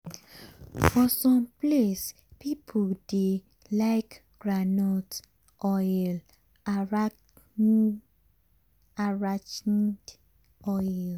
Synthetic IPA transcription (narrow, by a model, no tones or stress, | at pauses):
fɔsɔ̃mples | pipʰode | laɪk | ɡ̥ɹanot | ʔɔl | aɹat͡ʃd | ɔjl